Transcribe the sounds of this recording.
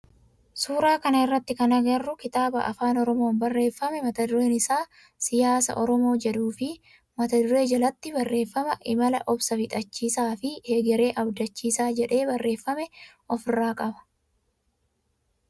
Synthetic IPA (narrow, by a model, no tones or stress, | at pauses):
suːɾaːkɐnɐɪrːɐt̪ːɪkɐnɐɡɐrːʊkɪt̪aːbɐ̰ʔɐ̰faːnɔɾɔmo̞ːnbɐrːe̞ːfːɐmɛmɐt̪ɐd̪ʊɾeːnɪsaː | sɪjaːsɐ̰ʔɔɾɔmo̞ːd͡ʒɛᶑuːfɪ | mɐt̪ɐd̪ʊɾe̞ːd͡ʒɐlɐt̪ːɪbɐrːe̞ːfːɐmɐʔɪmɐlɐʔɔbsɐfɪt̪ʼɐt͡ʃːiːsaːfɪheːɡɛɾe̞ːʔɐbd̪ɐt͡ʃːiːsaːd͡ʒɛᶑe̞ːbɐrːʔe̞ːfːɐmɛʔɔfɪrːaːkʼɐbɐ̥